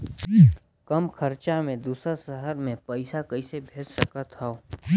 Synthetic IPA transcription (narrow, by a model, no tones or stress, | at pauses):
kəmkʰəɾt͡ʃamẽd̪uːsəsəɦəɾmẽpəɪsakəisebʱeːd͡ʒsəkət̪ɦɛo